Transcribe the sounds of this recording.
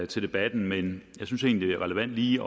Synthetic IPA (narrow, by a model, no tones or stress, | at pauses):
t͡sʰe̝ld̥e̝b̥æd̥n̩menjɑ̈ɪsynse̝ːnlid̥e̝æʁɛləʋæn̰d̥liːɒ